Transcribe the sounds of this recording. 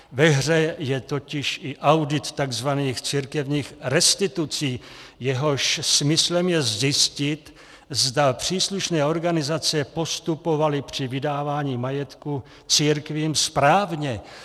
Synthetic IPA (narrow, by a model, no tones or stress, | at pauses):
vɛɦr̝ɛjɛt̪o̞cɪʃɪʔawdɪt̪ːaɡzvaniːxt͡siɾkɛvɲiːxɾɛst̪ɪt̪ut͡siːjɛɦo̞ʃsmɪslɛmjɛzzɪscɪt̪ | zdapr̝̥iːsluʃnɛːo̞ɾɡanɪzat͡sɛpo̞st̪upo̞valɪpr̝̥ɪvɪdaːvaːɲiːmajɛt̪ku | t͡siːɾkviːmspɾaːvɲɛ